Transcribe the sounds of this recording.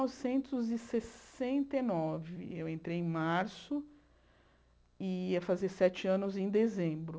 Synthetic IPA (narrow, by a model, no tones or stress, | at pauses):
ɔvɪsẽnt̪ʊzɪsesẽnt̪enɔvɪ̰ewẽnt̪ɾejẽj̃maɾsʊ | ɪiɐfazesɛt͡ʃɪɐ̃nʊzẽj̃d̪ezẽbɾʊ